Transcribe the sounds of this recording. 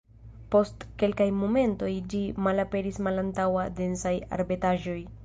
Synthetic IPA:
po̞stke̞lkajmo̞me̞nto̞jd͡ʒimalape̞ɾismalantawade̞nsaja̰ɾbetaʒo̞j

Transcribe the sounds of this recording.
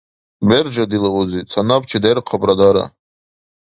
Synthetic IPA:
berd͡ʒadilawozit͡sʰanap̚t͡ʃʰadajɾqʰabʼradaɾa̰

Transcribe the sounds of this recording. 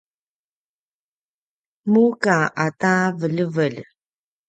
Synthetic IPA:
mukaʔatavəʎəvəl

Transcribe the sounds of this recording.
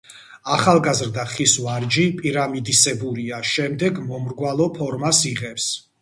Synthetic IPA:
aχalˠɡazɾd̪aχisvaɾd͡ʒipʼiɾamid̪isɛbuɾiaʃɛmd̪ɛɡmɔmɾɡwalˠɔpʰɔɾmasiʁɛps

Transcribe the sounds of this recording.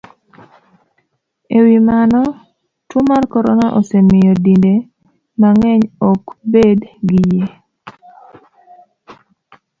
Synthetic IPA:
ewimanɔ | tumarkɔɾɔnaʔosemɪjɔdinde | maŋɛɲɔkbedɡɪje

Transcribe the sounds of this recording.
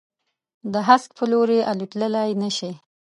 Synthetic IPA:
d̪əɦask̚pʰəloɾeʔaluʈ̪ləlajnəʃe

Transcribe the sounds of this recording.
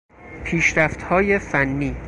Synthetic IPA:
pʰiːʃɾæft̪hɒːje̞fænːiː

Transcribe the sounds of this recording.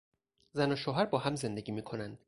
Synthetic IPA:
zænoʃoːɦæɾbɒːɦæmze̞nd̪e̞ɡiːmiːkʰo̞nænd̪̥

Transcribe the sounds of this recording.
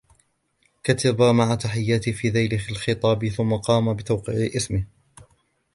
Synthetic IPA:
kat̪abamaʕat̪aħɪjːaːt̪ɪhfiːðajlɪhalxɨt̪ˤɑːbɪθʊmːaqɑːmabɪt̪awqɪːʕɪʔɪsmɪh

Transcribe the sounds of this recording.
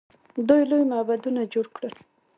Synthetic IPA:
d̪ujlojmabad̪unad͡ʒoɽkɽəl

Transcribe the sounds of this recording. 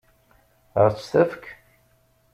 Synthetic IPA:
əɾt͡sːθæfk

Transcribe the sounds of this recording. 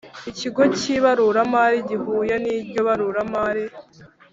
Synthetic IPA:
iciɡo̞ciβaɾuɾamaɾiɟivuːjaniːbɟo̞βaɾuɾamaːɾi

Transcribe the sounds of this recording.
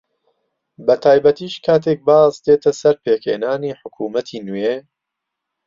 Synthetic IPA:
bɐt̪ʰaːjbɐt̪iːʃkʰaːt̪ʰeːk̚baːzd̪eːt̪ʰɐsɐɾpʰeːkʰheːnaːniːħʊkʰuːmɐt̪ʰiːnujeː

